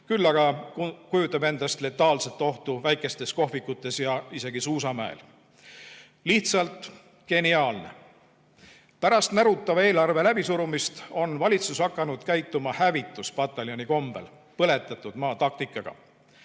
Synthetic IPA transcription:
kylːɑɡɑkujut̪ːˑɑbe̞nd̪ɑst̪le̞t̪ːˑɑːlset̪ːˑo̞ht̪uvæjkːˑe̞st̪e̞sko̞ɦvikːˑut̪ːˑe̞sjɑise̞ɡisuːs̬ɑmæḛl | liht̪sɑlt̪ˑ | ke̞niɑːlne̞̰ | pæɾɑst̪mæɾut̪ːˑɑvɑe̞ːlɑrve̞læb̥isuɾumist̪o̞nvɑlʲit̪susɑkːˑɑnud̪̥kæjt̪ːˑumɑhævit̪ːˑuspɑt̪ːˑɑljo̞nʲiko̞mb̥ḛl | pɤle̞t̪ːˑɑt̪ˑːud̪mɑːt̪ɑk̚t̪ikːˑɑɡ̥ɑ̰

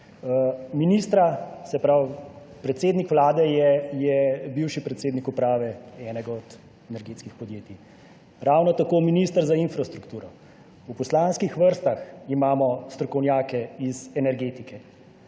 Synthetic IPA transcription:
miniːst̪ɾasɛpɾawpɾɛt̪seːd̪nikʋlaːd̪ɛjɛjɛbiwʃipɾɛt̪seːd̪nikupɾaːʋɛɛːnɛɡaɔd̪ | ɛnɛɾɡeːt̪skixpɔd̪jeːt̪i | ɾawnɔt̪akoːminist̪əɾzainfɾast̪ɾukt̪uːɾɔ | upɔslanskixʋəɾst̪aximaːmɔst̪ɾɔkɔwnjaːkɛizɛnɛɾɡeːt̪ikɛ

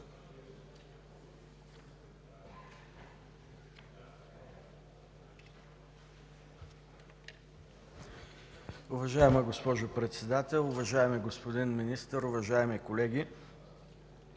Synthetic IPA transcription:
ʊvɐʒaɛməɡospɔʒʊpɾɛt̪sɛd̪at̪ɛlˠʊvɐʒaɛmiɡospod̪inminist̪əɾʊvɐʒaɛmikolɛɡʲi

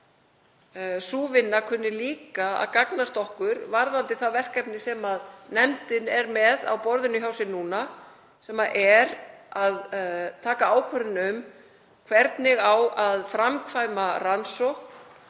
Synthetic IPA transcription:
suːvɪnːakʰʏnːɪliːkaa̰ðkaknast̪ɔhkʏɾvaɾðant̪ɪθavɛr̥kɛpnɪsɛmaðnɛmt̪ɪnɛɾmɛða̰wpɔɾðʏnʏçjaːwsɪnːuːna | sɛmaʔɛɾaðt̪ʰaːkaaːwkʰvœɾðnʏm | kʰvɛɾt̪nɪɣawaðfɾamkʰvajmaransɔwhkn

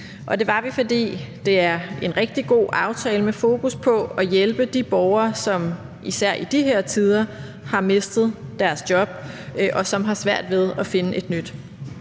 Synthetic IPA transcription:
ʔɒ̽d̥e̝ʋɑ̈ʋifɒ̽d̥ḭːd̥e̝æɐe̝nʁɛɡ̥̚d̥iɡ̥o̝̰ːʔɑ̈ʊt͡sʰɛːləmefo̝ːkʰuspʰɒ̽ɒjelb̥əd̥ib̥ɒʊɐːsɒ̽m | isæɐ̰ʔid̥iɦeɐ̰t͡sʰið̞ˠɐ | hɑ̈me̝sd̥ð̞̩ˠd̥æɐsd̥jɒ̽b̥̚ʔɒ̽sɒ̽mɦɑ̈sʋæɐ̰d̥ʋe̝ð̞ˠɒ̽fe̝nəʔe̝d̥nyd̥

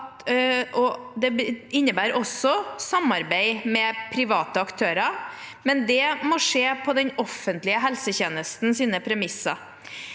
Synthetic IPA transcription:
t̪ʔɔd̪ɛɪnːəbæːɾʔɔsːɔsɑmɑɾbæɪmɛpʰɾɪʋɑːt̪əɑkt̪ʰøːɾɑmɛnd̪ɛmɔʂeːpʰɔd̪ɛnɔfənt̪lɪəɦɛlsəçeːnəst̪n̩siːnəpʰɾɛmɪsɑ̰

